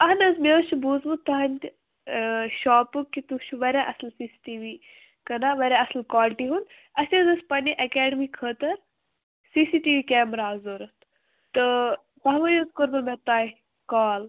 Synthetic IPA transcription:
ɐɦnɐzmet͡ʃʰubuːzmut̪ɐɦɐnʲt̪ʲ | ʃaːpukːit̪ut͡ʃʰuʋɐɾʲãʔɐslsiːsi̥ʈiːʋi | kɐnaːʋɐɾʲãɐslkaːlʈiɦun | ɐsʲezɐspɐnʲiʔɐkɛːɖəmiːkʰəːt̪ɐɾ | siːsiːʈiːʋikʲeːmɾaːzoːɾɐt̪ | t̪ɨ | t̪ɐɦʋɐjozkoɾbɐmet̪aː | kaːl

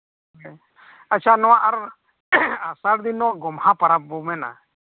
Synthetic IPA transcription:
at͡ʃʰanɔwaʔaɾ | asaɽd̪inːɔwaɡɔmhãpaɾap̚bɔmɛna̰

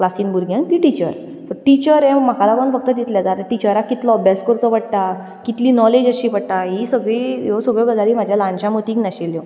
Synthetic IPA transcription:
klasiːnbʱuɾɡʱjãnt̪iːʈit͡ɕəɾ | səʈit͡ɕəɾɛ̃m̤akʰalapəɳfək̚t̪əd̪it̪ljad͡zat̪əʈit͡ɕəɾakːit̪lɔəbjaskəɾt͡s̪ɔpəɽt̪a | kit̪liːnɔled͡ʑəɕiːpəɽt̪aɦisəɡɭijosəɡɭjɔɡəd͡zaɾiːm̤ad͡ʑʱjalãnt͡ɕãmot̪iːknaɕeljɔ

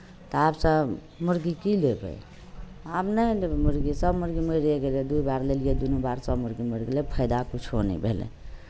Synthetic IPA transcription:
t̪ɔabsəb | muɾɡikilebə̰j | abnəjlebɛmuɾɡisəbmuɾɡiməɾeɡeled̪uibaɾlelijed̪unubaɾsəbmuɾɡiməɾɡelepʰəɪd̪akut͡ʃʰonɛ̰bʱḛlḛ

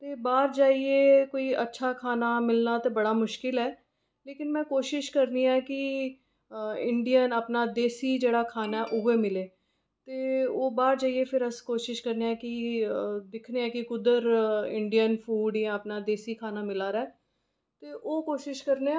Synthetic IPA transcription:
t̪eːbaːɾd͡ʒaːiekoːiətːʃʰaːkʰaːnaːmɪlnaːt̪eːbɐɽaːmʊʃkɪlɦɛː | leːkɪnmɛ̃ːkoːʃɪʃkəɾniɛːki | ɪ̃ɳɖijənəpnaːd̪eːsid͡ʒeːɽaːkʰaːnaɛʔʊɦemɪleː | t̪eːoːbaːɾd͡ʒaːiepʰɪɾəskoːʃɪʃkəɾniɛ̃ːki | d̪ɪkʰneɛ̃ːkikʊd̪əɾɪ̰̃ɳɖijənfʰuːɖɪãəpnaːd̪eːsikʰaːnaːmɪlaːɾɛː | t̪eːʔoːkoːʃɪʃkəɾne

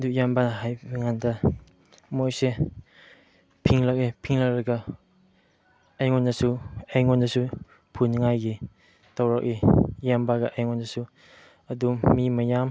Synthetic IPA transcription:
dukjambanɦajbiŋandɐ | mojse | pʰiŋlɐk̚ipʰiŋlɐk̚ɾɐɡɐ | ɐjŋɔnːɐsuejŋɔnːɐsu | pʰunŋajɡi | tɐwɾak̚ijambaɡɐʔejŋɔnːɐsu | ɐdumimɐjam

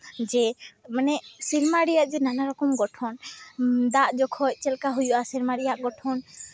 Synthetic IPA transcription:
d͡ʒɛmanɛsiɾmaɽijaʔd͡ʒɛnanaɾɔkɔmɡɔʈʰɔn | d̪aʔd͡ʒɔkʰɔc̚ˀt͡ʃɛlkaɦujuʔasiɾmaɽijaʔɡɔʈʰɔn

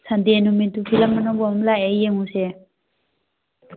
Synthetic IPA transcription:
sand̪inument̪upʰilamːanɔbɔmlaejeŋuse

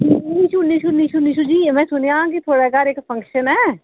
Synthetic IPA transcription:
inĩʃunĩʃunĩʃunĩʃud͡ʒiːmɛ̃ːsʊniaãkit̪ʰoːɽakaːɾeːkpʰə̃ŋkʃənɦɛː

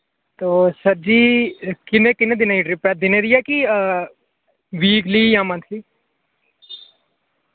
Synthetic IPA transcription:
t̪oːsəɾd͡ʒiːkɪnẽːkɪnẽːd̪ɪnaːiʈɾɪpɛːd̪ɪnẽːd̪ɪjaːki | ʋiːkliːjãːmə̃nt̪ʰliː

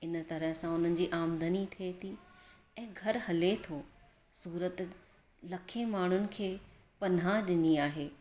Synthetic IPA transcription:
ɪnt̪ɐɾəɦsãʊn̤ənɪ̆d͡ʑiːʔaːmd̪ʱənit̪ʰiet̪ʰi | ɛ̃ːɡʱɐɾhɐlet̪ʰo | suːɾət̪ | lɐkʰemaːɳ̤ʊnɪ̆kʰeː | pɐn̤aɗɪniaːɦeː

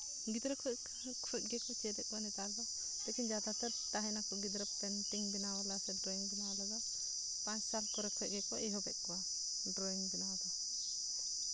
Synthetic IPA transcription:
ɡid̪ɾɔkʰɔ | kʰɔc̪̚ɡɛkɔsiɛd̪ɛʔ̚kɔwanit̪aɾda | lɛkind͡ʒad̪at̪ɛɾt̪aɦɛnakɔɡid̪ɾɔp̚t̪ɛntiŋbinawalasɛdɾɔiŋbinawlada | pat͡ʃsalkɔɾɔkʰɔc̚ɡɛkɔʔɛɦɔbɛʔ̚kɔwa | dɾɔiŋbinawd̪a

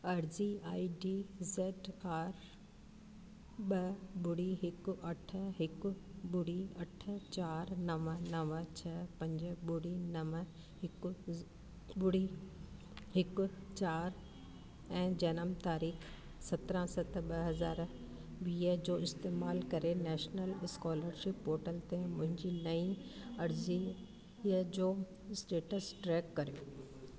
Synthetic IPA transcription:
ɐɾziaːiɖiːzeːʈaːɾ | ɓɐɓʊɽiɦɪkʊʔɐʈʰə̆ɦɪkʊ̆ɓʊɽ̤iɐʈʰə̆t͡ɕaːɾnɐʋənɐʋət͡ɕʰɐpɐ̃ɲd͡ʑʊɓʊɽ̤inɐʋə | ɦɪk | ɓʊɽi | ɦɪkʊ̆t͡ɕaːɾ | ɛ̃ːd͡ʑɐnəmt̪aːɾiːx | sɐt̪ɾə̃sɐt̪̆ʰɓɐɦɐzaːɾ | ʋiːəd͡ʑoːɪst̪eːmaːlkɐɾenɛːʃnəlɪskɔːləɾʃɪpɦoːɾʈəlt̪ẽmʊ̃ɦɪ̃ɲd͡ʑinɐĩɐɾzi | əd͡ʑoː | sʈeːʈəsʈɾɛːkːɐɾijoː

